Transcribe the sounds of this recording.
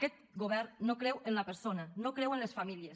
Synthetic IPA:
kɛt̪̚ | ɡoβ̞ɛɾnokɾɛwenlapeɾsonanokɾewenlesfamiljes

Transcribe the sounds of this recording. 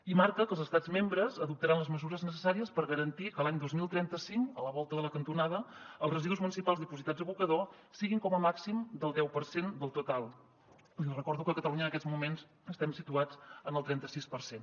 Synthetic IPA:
imaɾkəkəlˠzəst̪ad͡zmembɾəzəðup̚t̪əɾanləzməzuɾəznəsəsaɾiəspəɾɣəɾənt̪ikəlaɲd̪ozmilˠt̪ɾɛnt̪əsiŋkələβɔlˠt̪əðələkənt̪unað̞əəlˠzrəziðuzmunisipalˠzðipuzit̪ad͡zəβukəðo | siɣiŋkɔməmaksimd̪əlˠd̪ɛwpəɾsend̪əlˠt̪ut̪alˠ | lirəkɔɾðukəkət̪əluɲənəkɛd͡zzmumenz | əst̪ɛmsit̪uad͡zənəlˠt̪ɾɛnt̪əsispəɾsen

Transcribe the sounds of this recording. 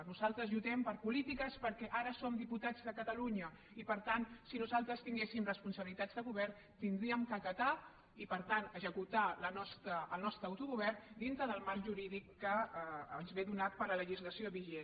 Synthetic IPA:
nuzalˠt̪ɾəzʎut̪ɛmpəɾpulit̪ikəspəɾkɛʔaɾəsomd̪iput̪ad͡zðəkət̪əluɲə | ipəɾt̪ansinuzalˠt̪ɾəst̪iŋɡesimrəspunsəβilit̪ad͡zðəɣuβɛrn | t̪ind̪ɾiəmkəkɐt̪a | ipəɾt̪anəʒəkut̪alənɔst̪əːlˠnɔst̪ɾəːwt̪uɣuβ̞ɛrnd̪int̪ɾəðəlˠmaɾʒuɾiðikːəːnzβeðunat̪̚pəɾələʒizləsioβiʒe

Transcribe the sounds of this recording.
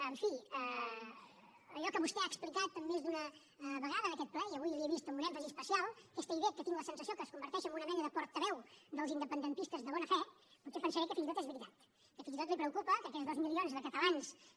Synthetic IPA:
əɱfiə | əʒɔkəβust̪ɛaːksplikat̪əmːmezd̪unə | βəɣ̞aðəəkɛt̪̚plɛiəβujəβiəβist̪əmbunɛfəzispəsijalˠkest̪eiβekət̪iŋɡləsənsəsiokəskumbəɾt̪ɛʃəmbunəmɛnəðəpɔɾt̪əβɛwd̪əlˠzind̪əpənd̪ənt̪ist̪əzðəβɔnəfɛ | puɾt͡ʃɛpənsəɾɛkəfinzit̪ot̪ezβɾit̪at̪ | kəfinzit̪ot̪lipɾəwkupəkəkɛt̪zðozmilˠionzðəkət̪əlans

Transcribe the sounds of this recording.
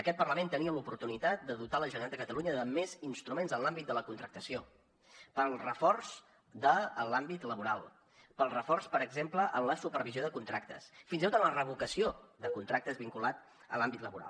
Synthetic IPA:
əkɛt̪̚pərləmẽnt̪əniəlupuɾt̪unit̪at̪̚d̪əðut̪aləʒunat̪d̪əkət̪əluɲəðəmezinst̪ɾumenzənlambit̪̚d̪ələkunt̪ɾək̚t̪əsio | pəlˠrəfɔrz | d̪əlambit̪ləβuɾalˠ | pəlˠrəfɔrspəɾəɡzempləʔəmləsupəɾβizioðəkunt̪ɾak̚t̪ə̰sfinzit̪ot̪ənlərəβukəsioðəkunt̪ɾak̚t̪əzβiŋkulat̪̚ | ə̰lambit̪ləβuɾa̰lˠ

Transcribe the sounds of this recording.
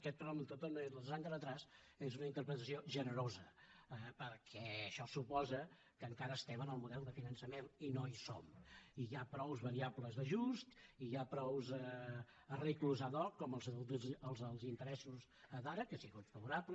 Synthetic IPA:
kɛt̪pəɾmənt̪ot̪onezləðəzaŋkaɾət̪ɾas | ezunəint̪əɾpɾət̪əsioʒənəɾozəəpəɾkʰɛəʃɔsupɔzə | kəŋkaɾəːst̪ɛβənəlˠmuðɛlˠd̪əfinənsəmeninoiso̰miapɾɔwzβəɾiabləzðəʒust̪ijapɾɔwzə | ərikluzaðɔkːɔməlˠzəlˠzəlˠzint̪əɾɛsuz | əðaɾəkəsiɣut̪fəβuɾablə

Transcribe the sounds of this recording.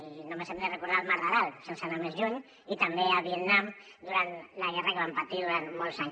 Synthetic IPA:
inomesemd̪erekuɾðalmaɾraðalselsanamezʎuɲ | it̪ambeaβiet̪nam | d̪uɾant̪laɣɛrakeβampat̪iðuɾant̪mɔlˠsaɲ

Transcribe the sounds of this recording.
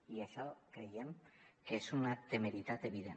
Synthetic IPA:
iesakɾejemkesunat̪emeɾit̪at̪eβiðen

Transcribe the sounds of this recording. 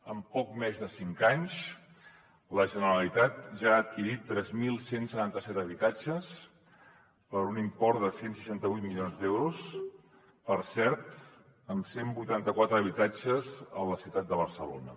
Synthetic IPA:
əmpɔk̚mɛzðəsiŋkaɲʃ | ləʒənəɾəlit̪at̪̚ʒaːt̪̚kiɾit̪ːɾɛzmilˠsensət̪ant̪əsɛt̪əβit̪ad͡ʒəs | pəɾunimpɔɾd̪əsensəʃant̪əβujt̪milionzd̪ɛwɾus | pəɾsɛɾt̪ | ənsembujt̪ant̪əkwat̪ɾəːβit̪ad͡ʒəzə̰ləsiuwt̪at̪̚d̪əβəɾsəlo̰nə

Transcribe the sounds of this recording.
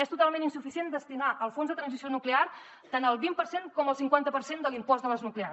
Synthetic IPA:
ɛst̪ut̪alˠmeninsufisiend̪əst̪inaʔəlˠfonzðət̪ɾənzisionuklear | t̪anəlˠβimpərseŋkɔməlˠsiŋkwant̪əpəɾsend̪əlimpɔzðələznuklea

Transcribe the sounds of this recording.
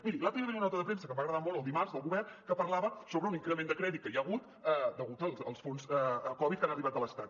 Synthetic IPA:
miɾilat̪ɾieβəiunɔt̪əðəpɾemsəkəmbaɣɾəðamɔlˠəlˠd̪imarzðəlˠɣuβɛrkəpərlaβəsoβɾəuniŋkɾəmend̪əkɾɛðit̪kːəjaɣut̪ | ɛd̪əɣut̪əlˠəlˠsfonsɛəkɔβit̪̚kanəriβat̪ələst̪at̪̚

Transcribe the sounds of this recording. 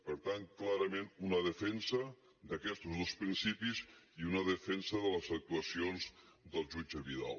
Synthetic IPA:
pəɾt̪anklaɾəmenunəðəfɛnsə | d̪əkɛst̪uzðospɾinsipiziunəðəfɛnsəðələzək̚t̪uəsionzd̪əlˠʒud͡ʒəβiða̰lˠ

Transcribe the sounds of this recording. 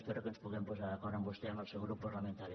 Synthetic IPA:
sp̪erəkənspuɣɛmpozaðəkɔɾəmbust̪eaməlˠsewɣɾupːərləment̪aɾi

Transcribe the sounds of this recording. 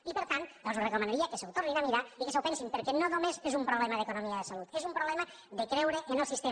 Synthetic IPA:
ipəɾt̪anb̪ɔlˠzurəkumənaɾiəkəsəwt̪orninamiɾaikəs̬əwpɛnsimpəɾkɛnonomezezumpɾuβlɛməðəkunomiəðəsəlut̪ezumpɾuβlɛmə | ðəkɾɛwɾəʔənəlˠsist̪e

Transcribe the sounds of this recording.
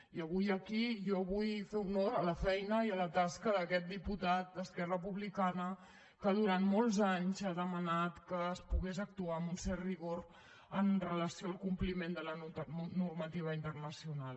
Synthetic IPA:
iəβ̞ujəkiʒɔβujfeunoɾələfɛjnəiələt̪askəðəkɛt̪̚d̪iput̪at̪̚d̪əskɛrəpuβlikanə | kəðuɾanmɔlˠzaɲzaðəmənat̪kəːspuɣezək̚t̪uaəmbunsɛrriɣor | ənrələsioalˠkumplimend̪ələnurmət̪iβ̞əint̪ərnəsiunal

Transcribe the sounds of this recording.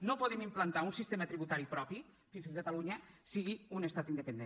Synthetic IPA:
nopoðemimplant̪aunsist̪emət̪ɾiβut̪aɾipɾɔpi | finskəkat̪aluɲəsiɣiunest̪at̪ind̪epend̪e

